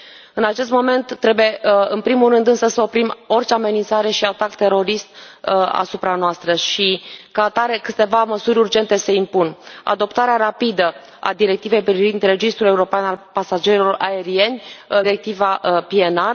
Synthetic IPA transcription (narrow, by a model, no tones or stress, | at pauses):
ɨnat͡ʃe̞s̬t̪mo̞me̞nt̪ːɾe̞buje̞ɨnpɾimulːɨnd̪ɨnsəsəo̞pɾimo̞rt͡ʃeame̞nint̪saɾe̞ʃiat̪akt̪e̞ɾo̞ɾist̪̚a̰supɾanoast̪ɾəʃikat̪aɾe̞kɨt̪e̞vaməsuɾʲurd͡ʒe̞nt̪e̞se̞impuna̰d̪o̞pt̪aɾeaɾapid̪ə | a̰d̪iɾe̞k̚t̪ive̞jpɾivind̪re̞d͡ʒist̪ɾule̞uɾo̞peanalpasad͡ʒe̞ɾilo̞rae̞ɾie̞nʲɾe̞k̚t̪ivapie̞nar